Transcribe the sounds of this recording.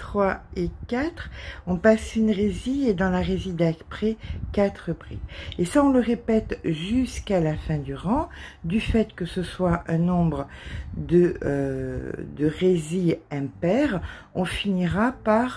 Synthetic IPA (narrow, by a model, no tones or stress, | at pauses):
t̪χwaekat̪χɔ̃pasynʁezied̪ɑ̃laʁezid̪apχɛkat̪χəpʁḭesaɔ̃ləʁepɛt̪ʒyskalafɛ̃d̪yʁɑ̃d̪yfɛt̪kəsəswaʔɛ̃nɔ̃bʁəd̪ə | d̪əʁeziɛ̃pɛʁ | ɔ̃finiʁapaʁ